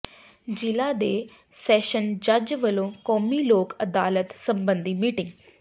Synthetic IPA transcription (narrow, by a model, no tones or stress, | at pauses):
d͡ʒɪlaːd̪eː | sɛːʃənd͡ʒəd͡ʒʋəlõːkɔːmiːloːkəd̪a̰ːlət̪səmbə̃nd̪iːmiːʈɪŋɡ